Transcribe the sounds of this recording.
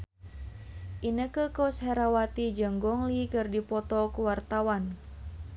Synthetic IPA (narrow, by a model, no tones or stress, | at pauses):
ʔinəkəkɔshɛɾawat̪id͡ʒəŋɡɔŋlikɨrdipɔt̪ɔkuwart̪awan